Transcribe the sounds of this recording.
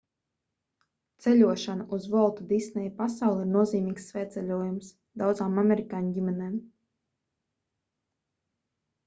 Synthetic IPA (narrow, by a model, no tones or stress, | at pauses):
t̪sɛlʲuɔʃanaʔuzvɔlˠt̪ud̪isnɛjpasawlˠiɾnuɔziːmʲiːksːvʲɛːt̪sʲɛlʲuɔjums | d̪awd̪zaːmamʲeɾikaːnɟʲimʲɛnɛːm